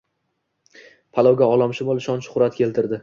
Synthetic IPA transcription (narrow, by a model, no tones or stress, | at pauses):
pʰalˠɒwɡʲaɒlˠɒmʃɪbolˠʃɒnʃʊ̥χʊɾat̪̚kʲʰe̞lt̪ʰɪɾd̪ɪ